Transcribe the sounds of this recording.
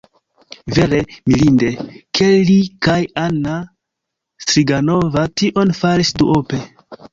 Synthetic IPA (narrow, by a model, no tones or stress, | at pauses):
ve̞ɾemilindekʰeikajanːa | stɾiɡano̞vatiʔo̞nfaɾisduʔope̞